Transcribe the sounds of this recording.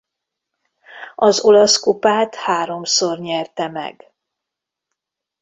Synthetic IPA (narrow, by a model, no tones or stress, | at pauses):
ɒzo̞lɒskupaːt̪haːɾo̞msorɲɛrt̪ɛmɛ̰ɡ